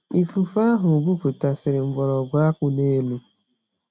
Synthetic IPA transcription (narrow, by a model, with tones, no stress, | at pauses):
i˨fu˨fa˦ɦʊ˨ɡʷu˦ku˨ta˨sɪ˨ɾɪ˨m̩˨bɔ˨ɾɔ˨ɡʷa˦a˦kʊ˦ne˦lu˦